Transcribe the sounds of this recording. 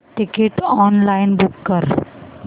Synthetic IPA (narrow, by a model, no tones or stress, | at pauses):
ʈɪkeʈɔːnlaɪnbʊkːəɾ